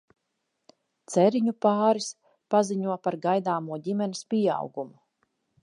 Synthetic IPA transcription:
t̪sɛɾiɲupaːɾis | paziɲuɔpaɾɡajd̪aːmuɔɟʲimɛnispʲiɛɑ̰wɡumu

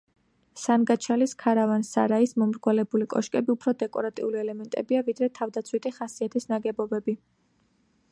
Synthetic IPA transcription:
sanɡat͡ʃʰaliskʰaɾavansa̰ɾaismɔmɾɡwalɛbulikʼɔʃkʼɛbiupʰɾɔd̪ɛkʼɔɾat̪ʼḭuliɛlɛmɛnt̪ʼɛ̰biavid̪ɾɛt̪ʰavd̪at̪sʰwit̪ʰiχasiat̪ʰisnaɡɛbɔbɛbi

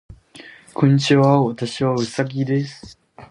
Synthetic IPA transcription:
kõɲ̟ːit͡ɕiβaat̪aɕiβaɯ̟saɡʲid̪e̞sɨ̥

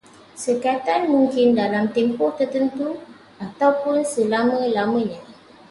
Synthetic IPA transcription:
səkat̪anmũŋkɪndalamt̪ɛmpɔht̪ərt̪ənt̪u | at̪awpʊnsəlamə̃lamə̃ɲã

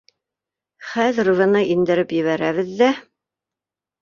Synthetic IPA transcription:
χæðɘɾuvɤ̆nɤʔind̪ɘ̆ɾɘpjɘ̆βæɾæβɘðːæ

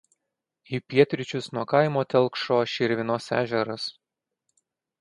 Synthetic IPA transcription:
iːpʲiɛt̪ʲɾʲɪt͡ʃʲʊsnuɔkɐɪmoːt̪ʲɛlˠkʃoːʃʲɪɾʲʋʲɪnoːsæ̰ːʒʲɛɾɐs

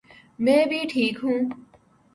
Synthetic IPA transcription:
mẽːbʱiːʈʰiːkɦũː

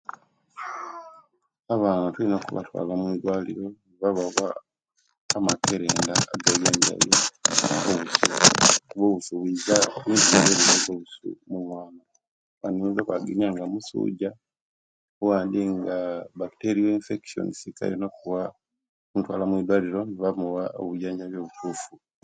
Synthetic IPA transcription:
aβaːnatulinokuβa̰twa̰ːlamwiːdwaːlḭɾo̞niβaβaβaː | makeɾe̞ːndaːɡaβiaɲɟa̰jeoβusṵkuβoβusuβwizawiziβeβiβazoβusṵmumwaːna | βaniβezokwaɡeniaŋɡamusṵːɟa | owaːndiŋɡaβakteɾioinfekso̰nisika̰jenokuβa | kutwa̰ːlamwiːdwaːliɾo̞niβamuwaoβujaːɲɟaβjo̞ːβutʰuːfu

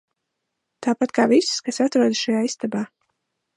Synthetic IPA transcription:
t̪aːpat̪kaːvisskasat̪ɾuɔd̪ʃajaːist̪abaː

